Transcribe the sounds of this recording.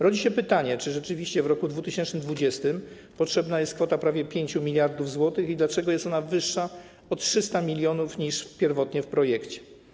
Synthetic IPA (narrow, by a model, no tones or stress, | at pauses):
ɾɔd͡ʑiɕɛpɘt̪aɲɛt͡ʂɘʐɛt͡ʂɘvʲiɕt͡ɕɛvɾɔkud̪vut̪ɘɕɛnt͡ʂnɘmd̪vud͡ʑɛst̪ɘm | pɔtʂɛbnajɛst̪kfɔt̪apɾavʲjɛpʲjeɲt͡ɕumʲilʲjaɾd̪uvzwɔt̪ɘxid̪lat͡ʂɛɡɔjɛst̪ɔnavɘʂːa | ɔt̪tʂɘst̪amʲilʲjɔnufɲiʂpʲjɛɾvɔt̪ɲɛfpɾɔjɛkt͡ɕɛ̥